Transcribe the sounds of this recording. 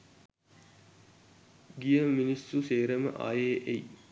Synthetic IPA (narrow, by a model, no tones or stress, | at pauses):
ɡijəminisuseːɾəmə̰ʔa̰ːjeːʔej